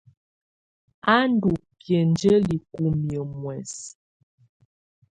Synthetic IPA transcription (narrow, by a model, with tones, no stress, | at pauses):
a˦n˦du˨pjə˨nd͡ʒə˦li˨ku˦mjə˨mwɛ˨s